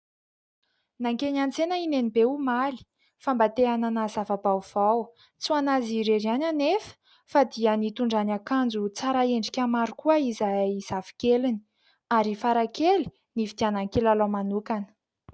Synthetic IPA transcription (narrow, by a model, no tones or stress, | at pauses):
naŋkenant͡senəinenibeumali̥ | fambat̪eananazavabawv̥aw | t͡suanaziɾeɾiananefə̥ | fad̪iənit̪uɳɖ͡ʐanakand͡zut͡saɾaeɳɖ͡ʐikʲamaɾukuəizaiz̥afi̥kelini̥ | aɾifaɾakeli̥ | nifid̪̥ianaŋkelalamanukanə̥